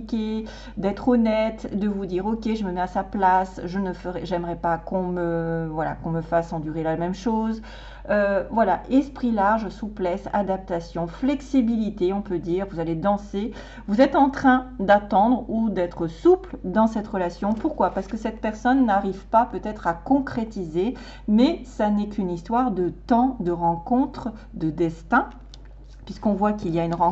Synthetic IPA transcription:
ikʲe | d̪ɛt̪χɔnɛt̪d̪əvud̪iːʁokʲeʒəməmɛasaplasʒənəfəʁɛʒɛmʁɛpakɔ̃məvwala̰kɔ̃məfasɑ̃d̪yʁelamɛmʃoːz | øvwalaʔɛspχilaʁʒsuplɛsa̰d̪ap̚t̪asjɔ̃flɛksibilit̪eɔ̃pød̪iːʁvuzaled̪ɑ̃se | vuzɛt̪ɑ̃t̪χɛ̃d̪at̪ɑ̃d̪ʁud̪ɛt̪χəsupld̪ɑ̃sɛt̪ʁəlasjɔ̃puʁkwapaʁsə̥kəsɛt̪pɛʁsɔnːaʁivpapøt̪ɛt̪χakɔ̃kχet̪ize | mɛsanɛkynist̪waʁd̪ət̪ɑ̃d̪əʁɑ̃kɔ̃t̪χ | d̪əd̪ɛst̪ɛ̃ | pɥiskɔ̃vwakiljaynʁɑ̃

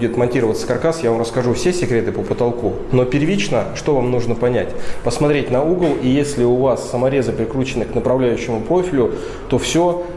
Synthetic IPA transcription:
dʲɪt̪mɐnʲtʲiɾəvət̪sə̥kɐrkasjavamrəskɐʐufsʲesʲɪkɾʲe̞t̪ɨpəpət̪ɐlˠku | no̞pʲɪrvʲit͡ɕnəʂt̪o̞vamnuʐnəpɐnʲætʲpəsmɐt̪ɾʲetʲnɐuɡəlˠijesʲlʲɪʊvasːəmɐɾʲe̞zəpʲɪɾʲɪkɾut͡ɕɪnɨknəpɾɐvlʲæjʉɕːɪmʊpɾo̞fʲɪlʲʊ | t̪o̞fsʲo

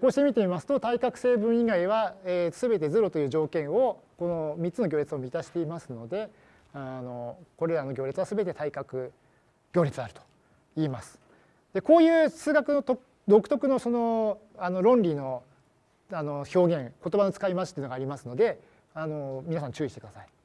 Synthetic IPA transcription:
ko̞ːɕi̥t̪emit̪e̞mʲimasɨ̥t̪o̞t̪aikakɯ̟se̞ːbɯ̟̃ɰ̃iɡaiβ̞aesɨbe̞t̪e̞zɨɾo̞t̪o̞jɯːʑo̞ːkẽ̞ɰ̃o̞ko̞no̞mʲitt͡sɨnoɡʲo̞ːɾʲit͡sɨo̞mʲit̪aɕi̥t̪e̞imasɨno̞d̪e̞ | ano̞ko̞ɾe̞ɾano̞ɡʲo̞ːɾʲit͡sɨβasɨbe̞t̪e̞t̪aikakɯ̟ | ɡʲo̞ːɾʲit͡sɨaɾɯ̟t̪o̥ | iːmasɨ̥ | d̪̥e̞ko̞ːjɯ̟ːsɨːɡakɯ̟no̞t̪ok | d̪o̞kɯ̟t̪o̞kɯ̟no̞so̞no̞ | ano̞ɾõ̞nɾʲino̞ | ano̞ço̞ːɡẽ̞ŋko̞t̪o̞bano̞t͡sɨ̥kaimat͡ɕi̥t̪ːiɯnoɡaːɾʲimasɨno̞d̪e̞ | ano̞mʲinasãɲt͡ɕɨːiɕit̪ek̟d̪asai

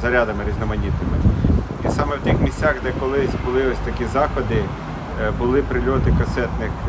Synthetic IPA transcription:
zɐɾʲɑd̪ɐmɪɾʲiznɔmɐnʲit̪nɪmɪ | isɑmɛwt̪ʲixmʲisʲt͡sʲɑxd̪ɛkɔlˠɪsʲbʊlˠɪɔsʲt̪ɐkʲizɑxɔd̪ɪ | bʊlˠɪpɾɪlʲɔt̪ɪkɐsɛt̪nɪx

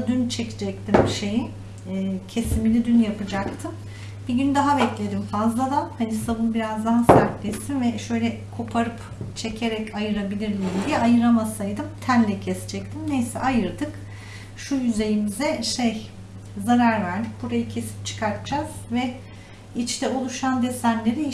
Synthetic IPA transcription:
d̪ynt͡ʃʰecʰid͡ʒɛc̚t̪ʰimʃejiː | cʰe̞similʲid̪ynjapɯd͡ʒakt̪ʰɯm | b̥iɟynd̪aɦabɛclʲe̞d̪imfazlˠad̪ahanisavɯnbiɾazd̪aɦasaɾklʲesinvɛʃø̞jlʲɛ | kʰo̞pʰaɾɯp | t͡ʃʰe̞cʰe̞ɾɛcajɯɾabilʲiɾd̪ʲimd̪ijɛajɯɾamasajd̪ɯmt̪ʰænlʲɛcʰɛsi̥d͡ʒɛc̚t̪ʰimnejsɛ̰ʔajɯɾd̪ɯk | ʃujyze̞jimizɛʃej | zaɾaɾvæɾd̪ic̚buɾajɯcʰe̞si̥p̚t͡ʃʰɯ̥kʰaɾt̪ʰɯd͡ʒaz̥vɛ | it͡ʃt̪ʰɛolˠuʃand̪esænlʲe̞ɾi

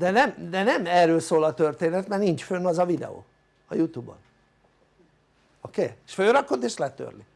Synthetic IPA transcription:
d̪ɛnɛmd̪ɛnɛmɛːrːøːlsoːlɒt̪ørt̪eːnɛt̪mɛrnint͡ʃfønːɒzɒvid̪ɛ̰o̰ː | ɒjut̪uːbo̰n | okeːeʃføːɾɒkot̪ːeːʃlɛt̪ø̰rli

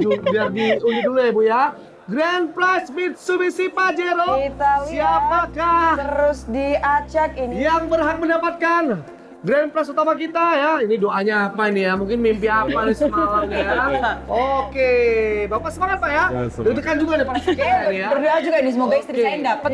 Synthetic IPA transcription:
udadiud͡ʒuduluibuja | ɡɾanplasmɪt̪̚subisipad͡ʒeɾosiapakaəɾʊsdiat͡ʃat̪injaŋbərɦak̚məndapat̪̚kan | ɡɾanpɾɛsut̪amakit̪ajainidoʔaɲaːpainijamuŋkɪnmimpiapanisəmaaanijaokebapasəmaŋat̪̚pajadət̪əkand͡ʒuɡanipaakaainijabəduad͡ʒuɡainis̬əmoɡaikst̪ɾindapə

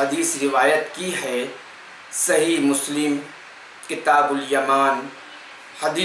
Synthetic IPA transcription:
ɐd̪iːsɾɪʋaːjət̪kiɦɛː | sɐɦiɦmʊslɪm | kɪt̪aːbʊljɐmaːn | hɐd̪iː

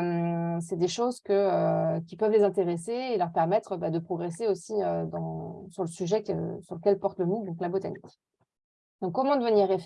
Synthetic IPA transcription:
msɛd̪eʃozkəøkʲipœvlezɛ̃t̪eʁeseːlœʁpɛʁmɛt̪χøbad̪əpχɔɡʁeseosiød̪ɑ̃syʁləsyʒɛkø̰syʁləkʲɛlpɔʁt̪ləmud̪ɔ̃klabot̪a̰nikʲ | d̪ɔ̃kːɔmɑ̃d̪əvəniʁef

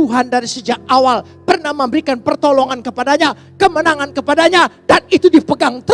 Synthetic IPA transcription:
uɦandaɾisəd͡ʒak̚awal | pərnahməmbəɾikanpərt̪olɔŋankəpadaɲa | kəmənaŋankəpadaɲadanit̪udipəɡaŋt̪ə

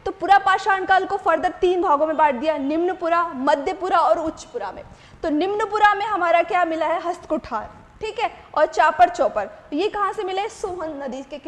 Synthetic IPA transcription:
t̪opʊɾapaːʃaːnkaːlkofɐɾd̪ət̪iːnbʱaːɡõmẽbaːʈ̚ʰd̪ijanɪmnpʊɾamɐd̪ʱjəpʊɾaɔːɾʊtːʃpʊɾamḛ̃ | t̪onɪmnəpʊɾamẽɦɐmaːɾakjaːmɪlaɦɛɦɐst̪kʊʈʰaːɾ | ʈʰiːkɦɛːɔːɾt͡ʃaːpəɾt͡ʃɔːpɐɾjekɐɦãsemɪlesoːɦənnɐd̪iːd͡ʒkek

